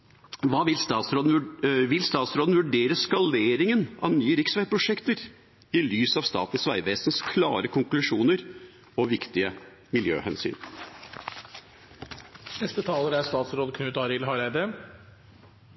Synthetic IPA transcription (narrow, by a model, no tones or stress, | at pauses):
ʋɑːʋɪlst̪ɑːt̪sɾoːd̪n̩ʋɪlst̪ɑːt̪sɾoːd̪n̩ʋʉɖeːɾəskɑleːɾɪŋənɑʋnyːəɾɪksʋæɪpʰɾʊʂɛkt̪əɾ | ɪlyːsɑʋst̪ɑ̰ːt̪n̩sʋæ̰ɪʋeːsnskʰlɑ̰ːɾəkʰʊŋklʉʂuːnəɾ | ɔʋɪkt̪ɪə | mɪljø̰ːhɛ̰nsy̰ːn | nɛst̪ət̪ʰɑːləɾæɾst̪ɑːt̪sɾoːd̪kʰnʉːt̪ɑɾɪlɦɑɾæɪd̪ə